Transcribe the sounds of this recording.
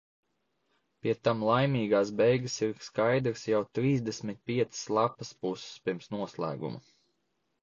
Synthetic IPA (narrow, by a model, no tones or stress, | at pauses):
pʲiɛt̪amlˠajmʲiːɡaːsbɛjɡasiɾskajd̪ɾsjawt̪ɾiːzd̪esmʲit̪̚ʲpʲiɛt̪sslˠapɐspusspʲiɾmsnuɔslˠæ̰ːɡṵmɐ̰